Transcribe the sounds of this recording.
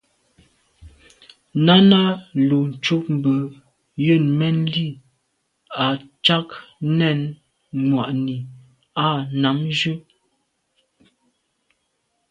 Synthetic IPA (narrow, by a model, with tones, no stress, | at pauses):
na˦na˦lu˨n̩˨t͡ʃu˦p̚m̩˨bə˨ | jə˦˨nmɛ˦nli˦˨ | a˨t͡ʃa˦knɛ˦˨n | ŋwa˨ʔni˨ | a˦˨na˨˦md͡ʒʉ˦